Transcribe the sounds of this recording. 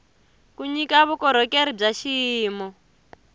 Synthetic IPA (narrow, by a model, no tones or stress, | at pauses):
kuɲikaβukɔɾɔkeɾib͡ʐaʃiːmɔ